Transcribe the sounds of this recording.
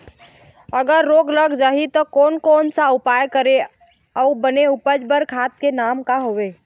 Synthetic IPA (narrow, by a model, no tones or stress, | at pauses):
əɡəɾːoːɡləɡd͡ʒaːɦit̪ɔkɔːnkɔːnsaʊpaːjkəɾe | ɔbəneupəd͡ʒbəɾkʰaːt̪̚kenaːmkaɦoʋe